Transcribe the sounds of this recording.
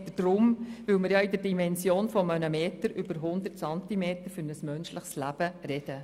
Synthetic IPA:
təd̥rʊmʋʏlməɾjɑɪdəɾdimɛnsjoːnfɔmənəmeːtəɾʔʏb̥əɾɦʊnd̪əɾtsɑntimeːt̪əɾfʏɾnəsmœnʃlɪχslæb̥əɾɛd̥ə

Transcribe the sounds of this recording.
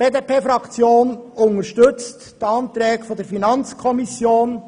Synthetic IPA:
b̥eːd̪epʰeːfɾɑkt͡sjoːnʊnəɾʃtɵt͡stː | ɑnt̪ɾɛːɡfɔdəɾfinɑnt͡skʰɔmisjoːn

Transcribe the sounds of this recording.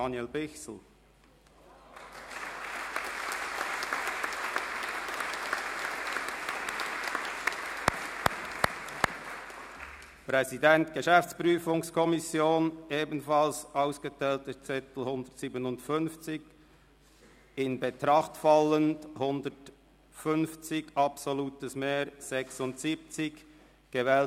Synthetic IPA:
ɑnjɛlbɪçsl̩ | pʁɛzidɛntɡ̥əʃɛft͡spʁyːfʊŋskʰɔmɪsjoːnʔeːbn̩fɑlsʔaʊsɡ̥ətʰɛːltət͡sɪtl̩hʊndətsiːbənʊntfʏnft͡sɪk | ɪnbetɾɑχtfɑləndhʊndət | fʏnft͡sɪɡɑpsoluːtəsmeːɾsɛksʊntsiːp̚t͡sɪk | ɡ̥əvɛːl

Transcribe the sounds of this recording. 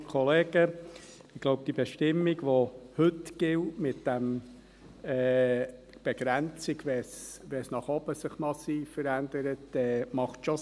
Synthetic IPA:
kʰɔleːɡ̥ə | ɪɡ̥loʊb̚d̥ibɛʃtɪmːiɡʋohɵtɡ̥ɪltmɪtd̥æm | ɛː | b̥ɛɡ̥ɾænt͡sɪɡʋɛsʋɛsnɑχɔb̥əsɪχmɑsiːffəɾændəɾətdɛːmɑχtʃɔ

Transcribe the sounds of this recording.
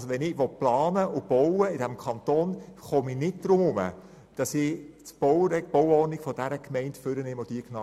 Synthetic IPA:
soʋɛnɪʋɔt̚plɑːnəʔʊb̥ɔwəɪdæmkʰχɑnt̪oːnχominɪt̚d̥ɾʊmʊmə̰ | d̥ɑsɪt͡sb̥ɔwɾɛb̥ɔwɔrnɪkfɔd̥æɾəkmɛɪntføɾənɪmod̥iəknɑ

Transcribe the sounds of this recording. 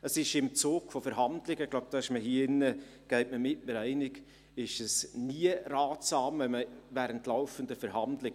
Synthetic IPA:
əsɪʃɪmt͡suːɡ̥fofəɾɦɑndlɪɡəɡlaʊb̥̚d̥ɑɪʃməɦiːəɪnːə | ɡ̥ɛɪtməmɪtnəɾɛɪnɪɡ | ɪʃəsniəɾɑːtsɑːmvɛlməvæːɾəntlaʊfəndəfɛɾɦɑndlɪ

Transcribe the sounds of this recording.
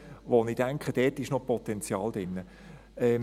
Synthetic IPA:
ʋonid̥aŋkχəd̥ɛːtɪʃnopʰɔt̪ɛnt͡sjɑːld̥ɪnːə | ɛ

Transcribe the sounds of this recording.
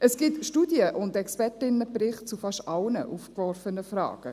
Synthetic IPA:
ʔəsɡ̥ɪtʃtudjəʔʊndɛkspɛtɪnəprɪχt̚t͡sufɑʃɑlnə̰ʔufkvɔrfənəfrɑ̰ːɡ̥ə

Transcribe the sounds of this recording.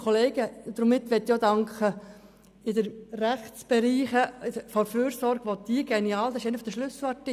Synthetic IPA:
kʰχoleːɡ̥əd̪ɾʊmːɪt̪ːʋɛt̪ːjod̪ɑŋkχə | ɪd̪əɾræχtt͡sb̥ɛɾiːχəfɔɾfyːɾsɔɾɡ̥ʋodiɡ̥ɛniɑːld̪ɑsɪʃeɪnəfɔd̥̪əʃlʉsʋɑtːi

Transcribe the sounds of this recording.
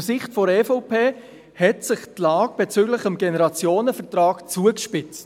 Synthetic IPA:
sɪχtfɔɾɛfopʰeː | hɛtsɪχtlɑːɡ̥̚b̥ɛt͡syːɡləχəmɡɛnɛɾɑt͡sjoːnəfətɾɑːɡt͡suəkʃpɪt͡st

